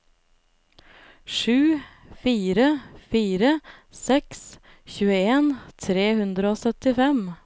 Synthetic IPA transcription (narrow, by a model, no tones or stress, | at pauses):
ʃʉː | fiːɾəfiːɾəsɛks | çʉːəeːnt̪ʰɾeːhʉnd̪ɾəoːsœt̪ɪfɛm